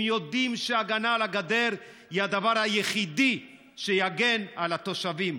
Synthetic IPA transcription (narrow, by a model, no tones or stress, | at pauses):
mjo̞d̪imʃeaɡanalaɡad̪e̞ʁ | hihad̪avaʁhajeχid̪i | ʃejaɡe̞nalat̪o̞ʃavim